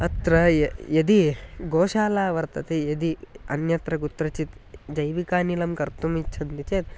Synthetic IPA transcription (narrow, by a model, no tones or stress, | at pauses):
ɐt̪ɾɐjɐd̪iɡoːʃaːlaːʋɐɾt̪ɐt̪ejɐd̪iɐ̰njɐt̪ɾɐɡut̪ɾɐt͡ʃit̪d͡ʒɐjʋikaːniːlɐmkɐɾt̪umit͡ʃʰɐnd̪it͡ʃeːt̪̚